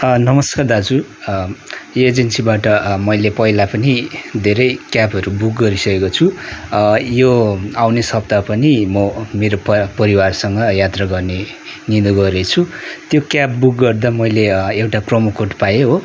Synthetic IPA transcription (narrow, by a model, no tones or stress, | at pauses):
nʌmʌskard̪ad͡zu | ed͡zensibaʈʌmʌjlepʌɦilapʌnid̪ʱeɾʌjkjapʌɾubuk̚ɡʌɾisʌkekot͡sʰu | joawnesʌp̚t̪apʌnimʌmeɾoppʌɾiwarsʌŋɡʌjat̪rʌɡʌrne | nind̪uɡʌɾet͡sʰut̪jokjapbuk̚ɡʌrd̪amʌjleewʈaprʌmukoʈpajeɦo